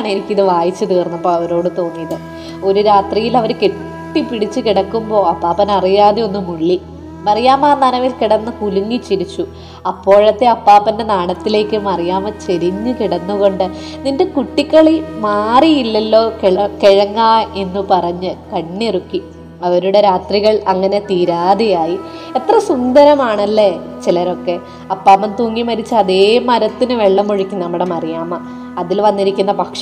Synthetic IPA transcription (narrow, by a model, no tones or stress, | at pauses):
aːɳiɾikʲːiɐðɨʋaːjit͡ɕːɨt̪iːrnːɐpːoːɐʋɐɾo̞ːɽɨt̪o̞ːnːijɐðɨ | o̞ɾuɾaːt̪rijilɐʋɐɾke | ʈːipiɽit͡ɕːɨkiɽɐkːumbo̞ːɐpːaːpɐnɐrijaːðio̞nːumuɭːi | mɐrijaːmaːnɐnɐʋilkiɽɐnːɐkuluŋːit͡ɕːiɾit͡ɕːu | ɐpːo̞ːɻɐt̪ːe̞ɐpːaːpːɐnde̞naːɽɐt̪ːile̞ːkːɨmɐrijaːmɐt͡ɕeɾiɲːɨkiɽɐnːuɣo̞ɳɖɨ | ninde̞kuʈːikːɐɭimaːriilːɐlːo̞ːkeɭkeɻɐŋːaːe̞nːupɐrɐɲːɨkɐɳːirukːi | ɐʋɐɾuɽe̞ɾaːt̪riɣɐɭɐŋːɐne̞t̪iːɾaːðijaːjiet̪ːrɐsund̪ɐɾɐmaːɳɐlːet͡ɕilɐɾo̞kːe̞ | ɐpːaːpːɐnt̪uːŋːimɐɾit͡ɕːɨɐðeːmɐɾɐt̪ːinɨʋeɭːɐmːoɻikʲːinɐmːuɽemɐrijaːmɐ | ɐðilʋɐnːiɾikʲːunːɐpɐkʂɐ